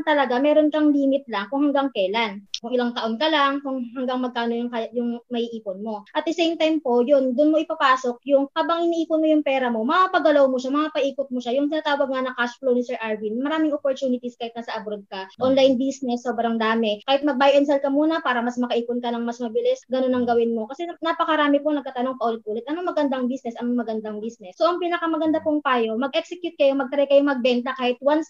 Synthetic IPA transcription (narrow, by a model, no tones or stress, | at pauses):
t̪ɐlɐɡamɛːɾonkɐŋliːmɪt̪̚laŋkʊŋhɐŋɡaŋkɛːlankʊŋʔɪlaŋt̪ɐʔo̞nkɐlaŋkʊŋɦɐŋɡaŋmɐɡ̚kaːno̞jʊŋkajʊŋmɐʔiːʔiːponmo̞ʔɐt̪̚d̪ɛsejmt̪ajmpo̞jond̪ʊnmoʔɪpɐpaːso̞k̚jʊŋhaːbɐŋʔɪniʔiːpʊnmojʊŋpɛːɾɐmo̞mɐapɐɡɐlawmoʃamɐŋapɐʔiːkʊt̪̚moʃajʊŋt̪ɪnaːt̪aːwɐɡ̚ŋɐnɐkasplownɪsɛɹʔaɹvinmɐɾaːmɪŋʔopoɾt͡ʃuːnɪt̪iskaːhɪt̪̚nɐsɐʔɐbɾod̪̚kɐʔonlajnbisnɛsːoːbɾɐŋd̪aːmɛkaːhɪt̪̚mɐɡ̚bajʔɛns̬ɛlkɐmuːnɐpaːɾɐmɐsmɐkɐʔiːpʊnkɐnɐŋmɐsmɐbɪlɪsɡɐno̞nɐŋɡɐwɪnmo̞kɐsɛnapɐkɐɾaːmɛponɐɡ̚kːat̪ɐno̞ŋpɐʔolɪt̪ʔuːlɪt̪ʔɐnoŋmɐɡɐnd̪aŋbisnɛsʔɐnoŋmɐɡɐnd̪aŋbisnɛsːo̞ʔɐŋpiːnɐkɐmɐɡɐnd̪apʊŋt̪aːjo̞mɐɡʔɛksɛkjut̪̚kɐjo̞mɐɡ̚t̪ɾɛjkɐjomɐɡ̚bɛnt̪ɐkaːhɪt̪̚wans